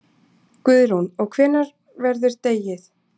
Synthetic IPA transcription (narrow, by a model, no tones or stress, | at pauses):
kʏðɾunɔɣkʰvɛːnːaɾ | vɛɾðʏɾ̥t̪eːjɪθ